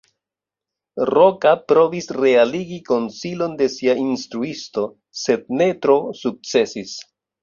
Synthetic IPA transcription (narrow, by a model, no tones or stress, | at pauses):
ɾo̞kapɾo̞visɾe̞aliɡiko̞nsilonde̞siainstɾuisto̞ | se̞d̚ne̞tɾosuk̚t͡se̞sis